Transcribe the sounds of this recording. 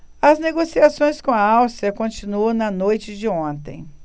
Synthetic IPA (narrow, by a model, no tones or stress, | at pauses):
ɐzneɡosiasõj̃skõɐawst͡ʃɾɐkõt͡ʃinuɐ̃w̃nɐnojt͡ʃɪd͡ʒɪõnt̪ẽj̃